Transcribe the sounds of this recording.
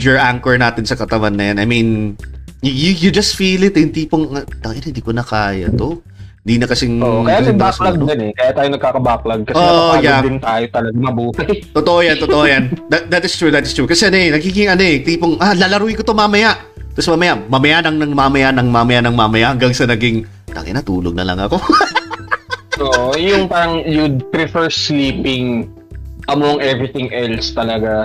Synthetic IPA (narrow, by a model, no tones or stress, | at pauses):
jɔɹʔaŋkɛɹnaːt̪ɪnsɐkɐt̪ɐwanːɐjanʔɐjmin | jujʊd͡ʒɐst̪fiːlɪt̪hɪnt̪iːpoŋɐt̪ɐjɐnhɪnd̪iːkonɐkaːjɐ̰t̪o̞ | ɪnd̪iːnɐkɐsɪŋːkɐjasɪɐbaslɐɡ̚ɐnɛkɐjat̪aːjonɐɡ̚kaːkɐbaːk̚lɐɡ̚kɐsoɛʔjad̪ɪnt̪aːjot̪ɐlɐɡamɐbuːhɐjt̪ot̪oʔojant̪ot̪oʔojand̪ɐt̪̚d̪ɐt̪ɪst̪ɹuːd̪ɐt̪ɪst̪ɹuːkɐsɛanoʔɛnɐɡiːɡɪŋʔɐnoʔɛt̪iːpoŋʔalalɐɾuɪkot̪omaːmɐjaʔ | t̪osmaːmɐjamɐmɐjanɐŋnɐŋmamɐjanɐŋmamɐjanɐŋmamɐjaʔhɐŋɡaŋsɐnɐɡɪŋ | t̪a̰ŋɐ̰nɐt̪uːloɡ̚nɐ̰lɐ̰ŋɐ̰ko̞ | ʔoʔojʊŋpaːɾɐŋjud̪̚t̪ɾɪfɛɹsliːpɪŋ | ʔɐmoŋʔɛvɹɪt̪ɪŋʔɛlst̪ɐlɐɡa